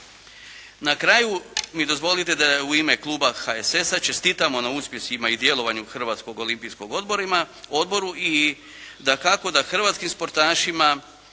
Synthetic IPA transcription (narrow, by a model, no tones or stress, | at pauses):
nakɾaːjumid̪o̞zʋo̞lit̪e̞d̪auime̞klˠuːbaxaese̞sat͡ʃe̞st̪it̪amo̞nauspje̞simaid̪je̞lo̞ʋaɲuxr̩ʋaːt̪sko̞ɡo̞limpisko̞ɡo̞d̪bo̞ɾima | o̞d̪bo̞ɾui | d̪akako̞d̪axr̩ʋat̪skimspo̞ɾt̪aːʃima